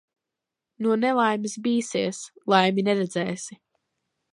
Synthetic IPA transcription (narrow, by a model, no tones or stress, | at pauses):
nuɔnɛlˠajmisbiːsiɛslˠajminɛɾɛd̪zɛːsi